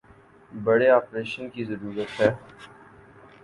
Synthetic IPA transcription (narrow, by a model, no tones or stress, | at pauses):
bɐɽeaːpɾeːʃənkizəɾuːɾət̪ɦɛː